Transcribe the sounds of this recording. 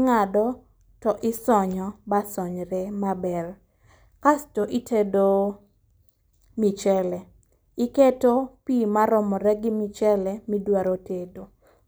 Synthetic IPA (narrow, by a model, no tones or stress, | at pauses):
ŋadɔ | tɔʔɪsɔɲɔbasɔɲɾɛmabɛr | kastoʔitʰedo | mit͡ʃɛlɛ | ɪketopimaɾɔmɔɾɛɡɪmit͡ʃɛlɛmidwaɾotedo